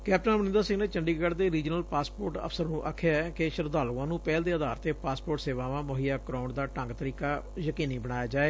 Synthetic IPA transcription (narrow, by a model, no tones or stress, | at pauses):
kɛːp̚ʈənmənɪ̃nd̪əɾsɪ̃ŋɡneːt͡ʃəɳɖiːɡəːɖd̪eːɾiːd͡ʒnəlpaːspoːɾʈə̰pʰsəɾnũːʔa̰ːkʰːjaːɛkeʃəɾd̪aːluãːnũːpɛːld̪eːəd̪aːɾt̪eːpaːspoːɾʈseːʋãːʋãːmoɦijaːkɾaːʊ̃ɳɖd̪aːʈə̃ŋɡt̪əɾiːkaː | jəkiːniːbəɽ̃aːjaːd͡ʒaːeː